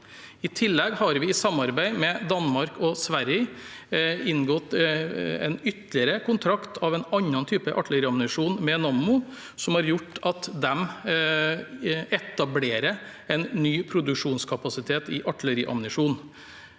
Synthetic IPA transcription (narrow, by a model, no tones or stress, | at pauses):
ɪt̪ʰɪlːɛɡhɑɾʋɪɪsɑmɑɾbæɪmɛd̪ɑnmɑɾkɔsʋæɾjə | ɪnɡɔt̪ | ɛ̰nʏt̪lɪəɾəkʰʊnt̪ʰɾɑkt̪ʰɑʋɛnɑɲːɑnt̪ʰyːpəʔɑʈləɾiːɑmnɪʂuːnmɛnɑnmʊ | sɔmhɑɾjʊʈːɑt̪d̪ɛm | ɛt̪ɑbleːɾə | ɛnnyːpʰɾʊd̪ʉkʂuːnskʰɑpɑsɪt̪ʰeːt̪ɪʔɑʈːləɾɪʔɑ̰mnɪʂuːn